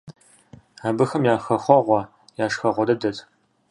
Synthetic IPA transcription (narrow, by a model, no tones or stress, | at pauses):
aːbɨxɐmjaːxɐxʷɔʁʷɔ | jaːʂxɐʁʷɔdɐdɐtʼ